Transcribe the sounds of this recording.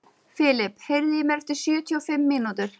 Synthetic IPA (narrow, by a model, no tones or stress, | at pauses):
fɪlɪphɛɾðimɛɾft̪ɪ̥sʏːt̪ʰiɔfɪmːɪːnut̪ʏɾ̥